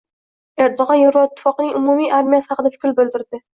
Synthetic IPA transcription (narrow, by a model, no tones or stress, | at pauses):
eɾd̪oʁɒnjoɾvɒɪt̪ʰːɪ̥fɒqnɪŋʊmumijʔaɾmijasɪ̥hɑqɨd̪afʊ̥kʲlˠbɪld̪ɪɾd̪ɪ